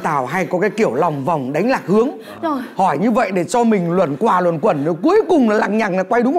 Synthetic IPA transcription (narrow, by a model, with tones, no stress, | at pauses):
t̪aː˧˩wɦa˧jkɔ˨˦kaː˨˦jki˧˩əwla˨˩wŋ͡mva˨˩wŋ͡mɗa˨˦jŋ̟laː˨˩k̚hɨ˨˦əŋ˧ | hɔ˧˩jɲɨ˧və̰˧˨jɗe˧˩t͡ɕɔ˧mï˨˩ŋ̟lwə̰˧˩nkwaː˨˩lwə̰˧˩˨nkwə˧˩nn˨˦ku˨˦əjkʊ˨˩ŋ͡mla˨˩laː˧˨˩ŋ̚ɲaː˨˩naː˨˩kwa˧jɗʊ˨˦ŋ͡m